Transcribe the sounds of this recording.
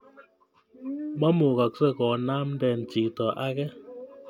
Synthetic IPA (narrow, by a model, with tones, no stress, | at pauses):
ma˦mo˨ka˨k̚sɛ˦˨kɔː˨naː˦mn̩˦dɛ˨n̩˨t͡ʃi˨ktɔ˨ʔa˦ɣɛ˦